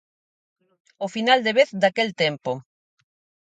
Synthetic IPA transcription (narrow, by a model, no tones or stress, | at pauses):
ofinald̪eβeθd̪akelt̪empo